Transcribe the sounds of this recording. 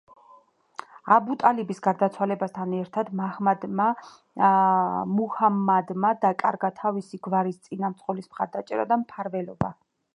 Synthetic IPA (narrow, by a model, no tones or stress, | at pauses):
abut̪ʼalibisɡaɾd̪at̪sʰwalɛbast̪ʰanɛɾt̪ʰad̪mahmad̪ma | muhamːad̪mad̪akʼa̰ɾɡat̪ʰavisiɡvaɾist̪sʼinamt̪sʼqʼɔlismχaɾd̪at͡ʃʼɛ̰ɾa̰d̪ampʰaɾvɛlɔba